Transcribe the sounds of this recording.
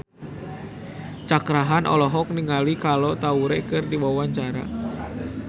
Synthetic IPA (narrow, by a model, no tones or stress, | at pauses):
t͡ʃakɾaɦanʔɔ̰lɔɦɔk̚niŋalikalot̪auɾɛkɨrdiwawaɲt͡ʃaɾa̰